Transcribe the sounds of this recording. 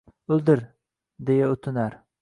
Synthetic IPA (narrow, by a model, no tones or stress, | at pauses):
ɵlˠd̪ɪɾ | d̪ejaɵt̪ʰɪnaɾ